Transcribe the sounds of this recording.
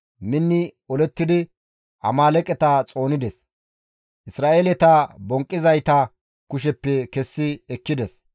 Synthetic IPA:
mɪnːɪɔlɛt̪ːɪd̪ɪ | ʔɐ̰maːlɛkʼɛt̪ɐt͡sʼo̞ːnɪd̪ɛs | ʔɪsɾaːʔelɛt̪ɐbɔŋkʼːɪzɐjt̪ɐ | kʊʃ̬ɛpːɛkɛsːɪɛkːɪd̪ɛs

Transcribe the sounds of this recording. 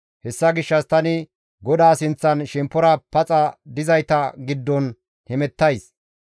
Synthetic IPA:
hɛsːɐɡɪʃːɐst̪ɐnɪ | ɡɔd̪aːsɪnt͡sːɐnʃɛmpːɔɾɐpɐt͡sʼɐd̪ɪzɐjt̪ɐɡɪd̪ːɔn | hɛmɛt̪ːɐjs

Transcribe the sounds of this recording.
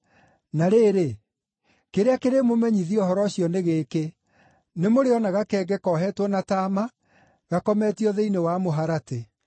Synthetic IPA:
naɾeːɾe | keɾeakeɾemomɛɲiðiɔɦɔɾɔɕijɔneɣeːke | nemoɾeɔnaɣakɛːɡɛkɔɦɛtwɔnataːma | ɣakɔmɛtiɔðeinewamoɦaɾate

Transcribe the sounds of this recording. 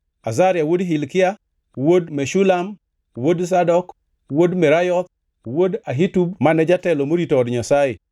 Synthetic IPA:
azaɾjawodɦilkia | wodmeʃulam | wods̬adɔk | wodmeɾajɔt̪ | wodaɦitubmanɛd͡ʒatɛlomoɾitoɔdɲasajḭ

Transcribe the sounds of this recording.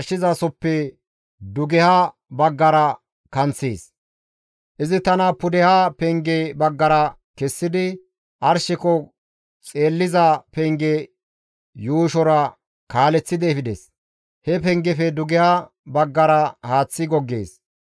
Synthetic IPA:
ɾʃɪzɐsɔpːɛ | d̪ʊɡɛhɐ | bɐɡːɐɾɐ | kɐnt͡sːeːs | ʔɪzɪt̪ɐnɐpʊd̪ɛhɐpɛŋɡebɐɡːɐɾɐ | kɛsːɪd̪ɪ | ʔɐɾʃɪkɔ | t͡sʼe̞ːlːɪzɐpɛŋɡe | juːʃɔɾɐ | kaːlɛt͡sːɪd̪ɛːfɪd̪ɛs | hɛpɛŋɡɛfɛd̪ʊɡɛhɐ | bɐɡːɐɾɐhaːt͡sːɪɡɔɡːḛːs

